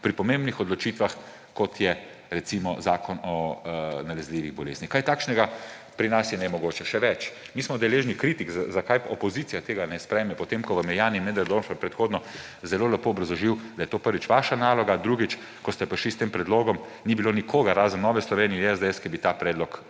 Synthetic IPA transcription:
pɾipɔmẽmbnixɔd̪lɔt͡ʃiːt̪ʋax | kɔt̪jɛ | ɾɛt̪simɔzaːkʰɔnɔnalɛzliʋiɣbɔlḛːznixkajt̪aːkʃnɛɡa | pɾinasjɛnɛmɔɡoːt͡ʃɛʃɛʋɛt͡ʃ | miːsmɔd̪ɛleːʒnikɾiːt̪ikzazakajɔpɔzit̪sijat̪eːɡanɛspɾɛjmɛpɔt̪emkɔʋamɛjaːninmɛd̪ɛɾd̪onfɔpɾɛt̪xoːd̪nɔ | zɛloːlapoːɔbɾɐzɔʒiwd̪ɐjɛt̪oːpəɾʋit͡ʃʋaːʃanaːlɔɡad̪ɾuːɡit͡ʃ | kɔst̪ɛpəɾʃlist̪empɾɛd̪loːɡɔm | nibilonikʰoːɡaɾːaːzənːɔːʋɛslɔʋeːniɛɛzd̪ɛɛskibit̪aːpɾɛːd̪lɔk

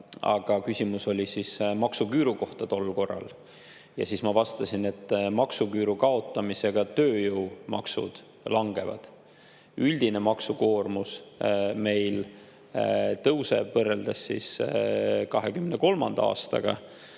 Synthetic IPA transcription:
ɑ̰ɡ̥ɑkysʲimuso̞lʲisismɑksukyːɾuko̞ht̪ɑt̪o̞lːko̞rːɑ̰l | jɑ̰sismɑvɑst̪ɑsine̞t̪ˑːmɑksukyːɾukɑo̞t̪ːˑɑmise̞ɡ̥ɑt̪ø̞ːjɤwmɑ̰ksṵd̪̥ | lɑŋɡ̥e̞vɑ̰d̪̥ | ylʲd̪̥ine̞mɑksuko̞ːrmusme̞jl | t̪ɤwse̞̰vɤrːeld̪̥ɑsːis | kɑɦekymneko̞lmɑ̰nd̪̥ɑɑ̰ːst̪ɑ̰ɡ̥ɑ̰

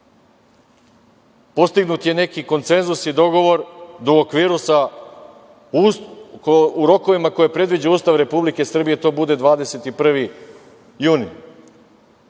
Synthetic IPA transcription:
po̞st̪iɡnut̪je̞ne̞kiko̞nt̪se̞nzusid̪o̞ɡo̞ʋo̞ɾd̪ookʋiːɾusa | uɾo̞ko̞ʋimako̞jepɾe̞d̪ʋid͡ʑeauːst̪aʋɾe̞publike̞sr̩bije̞t̪o̞ːbud̪e̞d̪ʋaːd̪e̞se̞t̪ipr̩ʋi | juːni

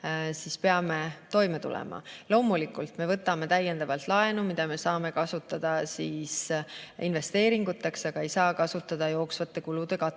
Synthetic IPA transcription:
sispe̞ɑme̞t̪o̞jme̞t̪ṵlɛ̰mɑ̰lo̞ːmulikːˑult̪me̞vɤ̞t̪ːˑɑme̞t̪æjːend̪̥ɑvɑlt̪ˑlɑe̞numid̪̥ɑme̞sɑːme̞kɑsut̪ːˑɑd̪̥ɑsiːsḭnve̞st̪e̞ːɾiŋɡ̥ut̪ːˑeksɑɡ̥ɑejsɑːkɑsut̪ːˑɑd̪̥ɑjo̞ːksvɑt̪ːe̞kulud̪̥e̞kɑt̪ː

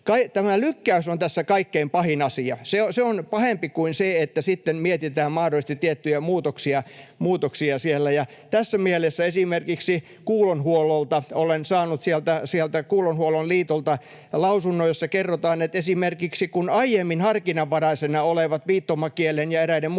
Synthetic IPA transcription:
kɑit̪æmælykːæysont̪æsːækɑikːeimpɑhinɑsiɑseoseonpɑhempikuinseet̪ːæsit̪ːemmiet̪it̪æːmmɑhdolist̪it̪iet̪ːyjæmuːt̪oksiɑmuːt̪oksiɑsielːæjɑt̪æsːæmielesːæesimerkiksi | kuːlonhuololt̪ɑolensɑːnut̪sielt̪æsielt̪ækuːlonhuolonliːt̪olt̪ɑ | lɑusunːojosːɑkerːot̪ɑːnet̪esimerkiksikunɑijemːinhɑrkinɑʋʋɑɾɑisenɑoleʋɑt̪ʋiːt̪ːomːɑkielenjɑeɾæinem

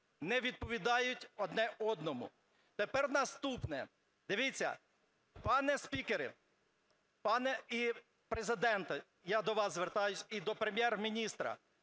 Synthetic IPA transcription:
nɛʋʲid̪̚pɔʋʲid̪ɑjʊtʲɔd̪nɛʔɔd̪nɔmʊ̰ | t̪epɛrnɐst̪upnɛ | d̪ɪʋʲit͡sʲːɐ̰ | pɑnɛspʲikeɾɪ | pɑnɛi | pɾezɪd̪ɛnt̪ɐ | jad̪ɔʋɑszʋert̪ɑjʊsʲid̪ɔpɾemʲjɛrmʲinʲist̪ɾɐ̰

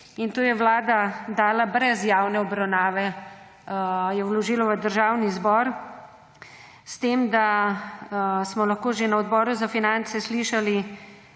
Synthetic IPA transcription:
int̪oːjɛʋlaːd̪ad̪aːlabɾɛzjawnɛɔbɾawnaːʋɛ | jɛwlɔʒiːlɔʋəd̪əɾʒaːwnizbɔɾ | st̪eːmd̪a | smɔlaxkoːʒenaɔd̪bɔːɾuzafinant̪sɛsliʃali

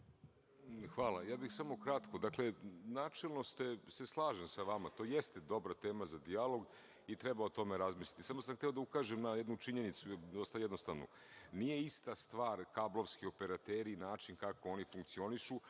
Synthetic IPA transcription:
xʋaːlˠajaːbixsamo̞kɾat̪ko̞d̪akle̞naːt͡ʂelˠnost̪ese̞slˠaːʒemsaʋamat̪o̞ːjest̪ed̪o̞bɾat̪e̞ːmazad̪ialo̞ɡ | it̪ɾebaot̪o̞meɾazmislʲit̪isamosamxt̪eod̪aukaːʒemnajed̪nut͡ʂiɲe̞nit̪sud̪ost̪ajed̪nost̪aʋnṵ | nije̞ist̪ast̪ʋaːɾkablˠo̞ʋskio̞peɾat̪eːɾinaːt͡ʃinkako̞o̞nifuŋkt̪sio̞niʃu

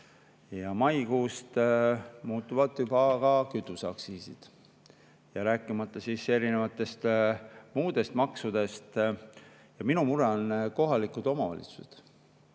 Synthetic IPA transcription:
jɑmɑjkuːst̪ | muːt̪ːˑuvɑd̪jubɑkɑkyt̪ːˑusɑ̰ksiːsid̪̥ | jɑɾæːkːˑimɑt̪ːˑɑsiːse̞ɾine̞vɑt̪ːˑe̞st̪muːd̪̥e̞st̪mɑksud̪̥e̞st̪ | jɑminumuɾeonko̞ɦɑlikˑud̪o̞mɑvɑ̰lʲḭt̪su̥se̥d̪̥

